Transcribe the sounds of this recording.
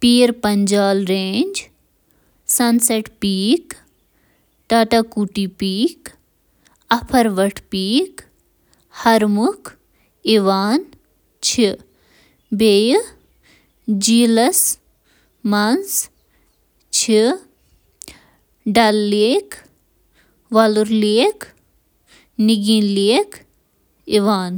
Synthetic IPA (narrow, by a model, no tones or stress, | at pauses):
piːɾpɐɲd͡ʒaːlɾẽːɲʲd͡ʒ | sɐnseʈpiːk | ʈaʈakuʈipiːk | ɐpʰɐɾʋɐʈʰpiːk | hɐɾmukʰ | iʋaːn | t͡ʃʰi | beːj | d͡ʒiːlɐs | mɐns | t͡ʃʰi | ɖɐlːeːk | ʋaluɾleːk | niɡinleːk | iʋaːn